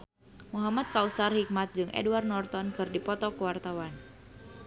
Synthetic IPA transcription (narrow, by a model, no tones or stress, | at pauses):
muɦamat̪̚kausarhik̚mat̪̚d͡ʒɨŋʔɛ̰duwarnɔrt̪ɔnkɨrdipɔt̪ɔkəwart̪awan